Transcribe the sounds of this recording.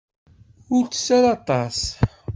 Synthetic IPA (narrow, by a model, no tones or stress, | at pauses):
ʊɾt͡sːə̥sːaɾɑt̪ˤɑs